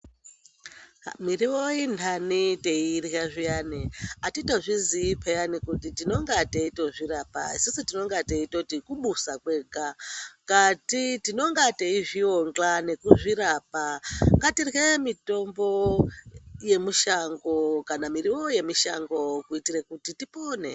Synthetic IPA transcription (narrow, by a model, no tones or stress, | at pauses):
miriwoindʰaniteirjaʐijaniatito̞ʐiziːpʰejanikutitino̞ŋɡateito̞ʐiɾapa̰isisutino̞ŋɡateito̞tikuɓusakwe̞ːɡʱakatitino̞ŋɡateiʐio̞ŋɡane̞kuʐiɾapaŋɡatirɣemito̞mbo̞ | je̞muʃaŋɡo̞kanamiɾiwo̞je̞miʃa̰ŋɡo̞kuitirekutitipoːnḛ